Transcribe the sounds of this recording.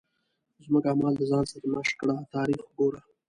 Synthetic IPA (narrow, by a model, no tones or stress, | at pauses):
zmʊkɡaːmɑːld̪əzɑːnsaɾamaʃkɽaːt̪ɑːɾiːxɡoːɾa